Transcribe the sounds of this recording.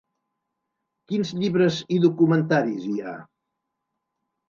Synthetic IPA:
kinzʎiβɾəziðukumənt̪aɾizia̰

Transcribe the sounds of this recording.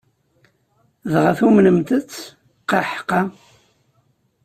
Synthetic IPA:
ðʁəθumnəmt̪ət͡sː | qɑħqːɑ

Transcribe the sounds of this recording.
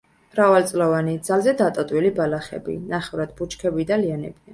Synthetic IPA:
mɾavalt̪sʼlɔvanid̪zalˠzɛd̪at̪ʼɔt̪ʼwilibalaχɛ̰bḭnaχɛvɾad̪but͡ʃkʰɛbid̪alianɛ̰bia

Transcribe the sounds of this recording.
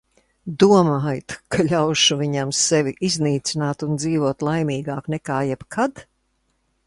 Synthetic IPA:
d̪uɔmaːjt̪kʰaʎʲawʃuviɲamsɛviʔizʲniːt̪sinaːt̪und̪ziːvuɔt̪lˠajmiːɡaːknɛkaːjɛb̥kʰad̪

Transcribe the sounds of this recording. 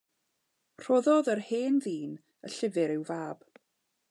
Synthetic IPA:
r̥oːðɔðərheːnðiːn | ə̰ɬɪvɪɾɪwvaːb̥

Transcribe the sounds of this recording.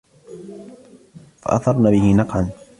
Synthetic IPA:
fa̰ʔa̰θɑɾˤnaːbɪhɪnɑqʕan

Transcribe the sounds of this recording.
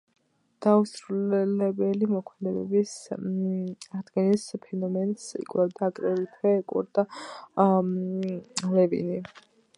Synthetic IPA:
d̪̥ausɾulɛlɛbɛlimɔkʰmɛd̪ɛbɛ̰bis | aʁd̪ɡɛnispʰɛnɔmɛnsḭkʼlɛvd̪aːkʼɾɛlit̪ʰwɛːkʼṵɾd̪a | lɛvḭni

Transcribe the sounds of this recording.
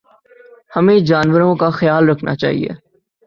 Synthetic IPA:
həmẽːd͡ʒaːnʋəɾõkaxəjaːlɾɐkʰna̰ːt͡ʃa̰ːɦḭḛː

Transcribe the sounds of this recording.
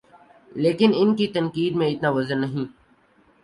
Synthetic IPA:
leːkɪnɪnkit̪ənkiːd̪mẽɪt̪nãːʋəzəɾnəɦĩː

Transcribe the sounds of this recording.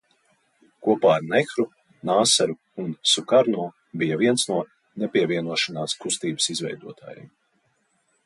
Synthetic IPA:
kuɔpaːɾnɛxɾu | naːsaɾu | unsukaɾnuɔ | bijɐviɛnsnuɔ | nɛpʲiɛviɛnuɔʃanaːskust̪iːbə̥sizvɛ̰jd̪uɔt̪ʰa̰ːjɛ̰m

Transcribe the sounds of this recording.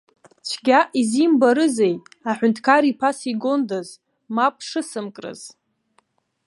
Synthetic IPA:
t͡ʃʷʰɡʲaʔizimbaɾɨzejtʼaħʷʊntʰkʰaɾipʰasiɡondaz | mapʼʰʂɨsɨmkʼrɨ̰z̥

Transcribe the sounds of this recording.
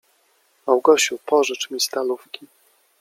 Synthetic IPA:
awɡɔɕupɔʐɘt͡ʂmʲist̪alufkʲi

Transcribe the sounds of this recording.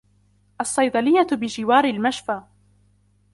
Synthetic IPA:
ʔɑsˤːɑjd̪ˤɑlɪjːabɪd͡ʒɪwaːɾɪlmaʃfaː

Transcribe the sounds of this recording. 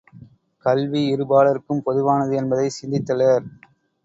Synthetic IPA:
kɐlʋiɪɾɯbaːɭɐɾɯkːɯmpɔðɯʋaːnɐðɯɛnbɐðɐɪsɪnd̪ɪt̪ːɐlɐɾ

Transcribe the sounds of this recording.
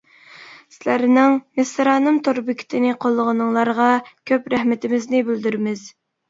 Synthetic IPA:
sɪlæɾnɪŋmesɾɑːnɨmt̪ʰoɾbɪkʲʰi̥t̪ʰɪnɪqʰolˠːəʁənɨŋlˠɑɾʁɑkʲʰøpɾɛhmɪt̪ʰɪmɪznɪbɪld̪yɾmɪz̥

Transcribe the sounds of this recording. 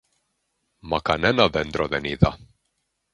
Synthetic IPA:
makanɛnaðɛnd̪ɾɔd̪ɛniða

